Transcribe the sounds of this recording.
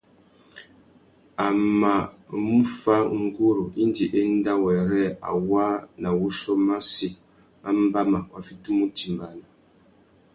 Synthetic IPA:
a˨ma˨mu˦fa˦ŋ̩˦ɡu˦ɾu˨ʔi˦n˦di˨ʔe˦n̩˦da˦wɛ˨ɾɛ˦˨a̰˨wa˦na˨wu˦ʃɔ˦ma˦si˨ | mʔa˦m̩˦ba˦ma˨wa˨fi˦tu˦mu˦ti˨mba˨na˨

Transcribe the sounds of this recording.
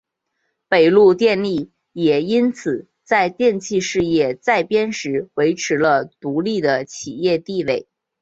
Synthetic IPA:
pe˨˩ɪlu˥˧t̪jɛ˥˧nli˥˩ | jɛ˨˩i˥nt͡sʰɹ̩˨˩˦ | t͡sa˥˧ɪt̪jɛ˥˧nt͡ɕʰi˥˧ʂɻ̩˥˧jɛ˥˩t͡sa˥˩ɪpjɛ˥nʂɻ̩˧˥we˧˥ɪʈ͡ʂʰɻ̩˧˥lə˧t̪u˧˥li˥˩d̪ə˩t͡ɕʰi˨˩jɛ˥˧t̪i˥˧we˥˩ɪ

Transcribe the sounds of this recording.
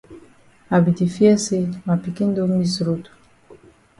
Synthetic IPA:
a˨bi˨ti˨fi˦ɛ˦se˦ma˨pi˨ki˦n˦do˦mi˦sɾo˦tu̥˨

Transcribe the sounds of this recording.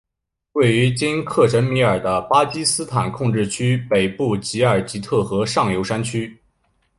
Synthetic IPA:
we˥˩ɪy˧˥t͡ɕi˥nkʰɤ˥˩ʂə˧˥nmi˧˥ə˞˨˩d̪ə˦pa˥t͡ɕi˥sɹ̩˥t̪ʰa˨˩nkʰʊ˥˧ŋʈ͡ʂɻ̩˥˩t͡ɕʰy˥pe˨˩ɪpu˥˩t͡ɕi˧˥ə˞˨˩t͡ɕi˧˥t̪ʰɤ˥˩xɤ˧˥ʂɑ˥˩ŋjo˧˥ʊʂa˥nt͡ɕʰy˥

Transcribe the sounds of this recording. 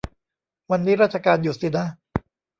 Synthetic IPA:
wa˧nːiː˦˥ɾa˦˥t̪̚t͡ɕʰa˧kaː˧njuː˨˩si˨˩na˦˥

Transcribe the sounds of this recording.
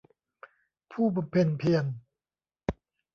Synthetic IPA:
pʰuː˥˩ba˧mpʰe˧npʰi˧ən

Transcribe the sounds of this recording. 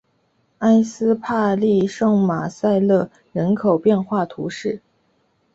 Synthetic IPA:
a˥ɪsɹ̩˥pʰa˥˧li˥˧ʂɤ˥˩ŋma˨˩sa˥˧ɪlɤ˥˩ | ɻə˧˥nkʰo˨˩ʊpjɛ˥˧nxwa˥˩t̪ʰu˧˥ʂɻ̩˥˩

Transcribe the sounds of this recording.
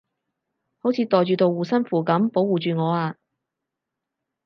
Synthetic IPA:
ho˨˥wt͡sʰiː˨˧˥t̪ɔː˨jt͡ʃyː˨˧t̪o˨˧wwuː˨sɐ˥nfuː˨˩kɐ˨˥mpo˨˥wuː˨t͡ʃyː˨ŋɔː˨˧aː˧

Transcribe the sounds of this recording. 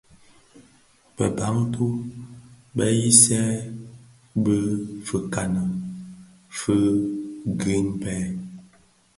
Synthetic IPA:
bə̰˨ba˨˦ŋtʰu˦ | bə˦ji˦sɛ˦ | bə˦fə˨ka˨nə˨ | fə˦ | ɡe˦npɛ˦

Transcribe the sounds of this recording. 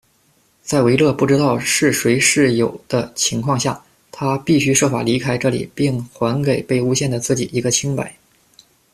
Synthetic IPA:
t͡sa˥˩ɪwe˧˥ɪlɤ˥˧pu˥˩ʈ͡ʂɻ̩˥t̪ɑ˥˧ʊʂɻ̩˥˩swe˧˥ɪʂɻ̩˥˩jo˨˩ʊd̪̥ə˦t͡ɕʰi˧˥ŋkʰwɑ˥˧ŋɕja˥˩ | t̪ʰa˥pi˥˩ɕy˥ʂwɔ˥˩fa̰˨˩li˧˥kʰa˥ɪʈ͡ʂɤ˥˩lḭ˨˩pi˥˩ŋxwa˧˥nke˨˩ɪpe˥˩ɪu˥ɕjɛ˥˩nd̪ə˩t͡sɹ̩˥˩t͡ɕi˨˩i˧˥ɡə˧t͡ɕʰi˥ŋpa˨˩˦ɪ

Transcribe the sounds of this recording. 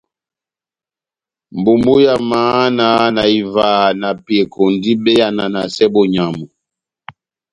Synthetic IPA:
m˨bu˨mbu˦ja˨maː˨˦na˨˦na˨i˨vaː˨˦na˨pje˨kʰo˨ndi˦bɛ˦ja˨na˨na˨sɛ˦bɔ˨ɲa˨mu˨

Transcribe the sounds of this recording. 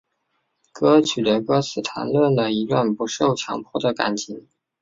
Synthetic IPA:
kɤ˥t͡ɕʰy˨˩t̪ə˧˥kɤ˥t͡sʰɹ̩˨˩t̪ʰa̰˧˥nlwə˥˩nd̪ə˩i˧˥lwə˥˩npu˧˥ʂo˥˩ʊt͡ɕʰjɑ̰˧˥ŋpʰwɔ˥˩d̪ə˩ka̰˨˩nt͡ɕʰi˧˥ŋ

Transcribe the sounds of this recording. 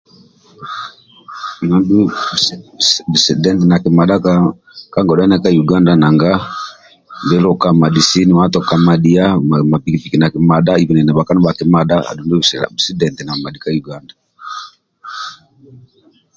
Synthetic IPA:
na˨du˦ | bsdɛ˦ntɛ˨na˨ki˨ma˨ɗa˦ka | ka˦ŋɡɔ˨da˦na˦ka˦ju˨ɡa˦nda˨na˨ŋɡa˦ | ndɛ˦ɾɔ˨ka˦ma˨di˨si˦ni˨wa˦tɔ˨ka˨ma˨ɗi˦a˦mma˨pi˨ki˨pi˨ki˨na˨ki˨ma˨ɗa˦i˨vi˨nɛ˨nɛ˨ɓa˨ka˦nɔ˦ɓa˨ki˨ma˨ɗa˦a̰˨du˨ndɛ̰˦˨si˦dɛ˨ntɛ˨na˨ma˨di˨ka˦ju˨ɡa˦nda˨

